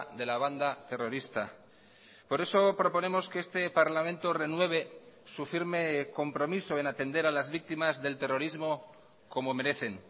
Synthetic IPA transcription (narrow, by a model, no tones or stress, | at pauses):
ðe̞laβ̞and̪at̪e̞ro̞ɾist̪a | po̞ɾe̞so̞pɾo̞po̞nẽ̞mo̞ske̞est̪e̞paɾlamẽnt̪ore̞nwe̞β̞e̞sufiɾme̞ko̞mpɾo̞miso̞e̞nat̪e̞nd̪e̞ɾalazβik̚t̪imazðe̞lt̪e̞ro̞ɾizmo̞ | ko̞mo̞me̞ɾe̞θe̞ŋ